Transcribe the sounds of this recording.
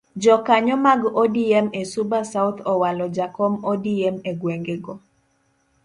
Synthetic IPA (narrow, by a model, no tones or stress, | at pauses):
d͡ʒɔkaɲɔmaɡɔdiɛmesubasaʊt̪ʰɔwalɔd͡ʒakɔmɔdiɛmeɡweŋɡeɡɔ